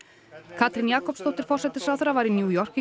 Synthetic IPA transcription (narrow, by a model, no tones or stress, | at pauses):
kʰat̪ɾɪnjaːkɔpst̪owt̪ɪɾ̥fɔr̥sɛt̪ɪ̥sawθɾavaɾinjuːjɔr̥kɪ